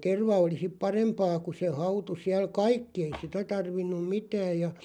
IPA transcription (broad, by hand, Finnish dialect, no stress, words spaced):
terʋɑ oli sip pɑrempɑː ku se hɑutu siæl kɑikːi ei sitæ tɑrʋinːum mitæːj̆ jɑ